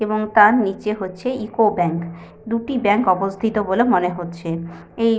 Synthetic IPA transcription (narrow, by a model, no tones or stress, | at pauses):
eboŋt̪aɾnit͡ɕeɦotːɕʰeʔikobɛŋk | d̪uʈibɛŋkɔbost̪ʰit̪obolemoneɦotːɕʰe | ej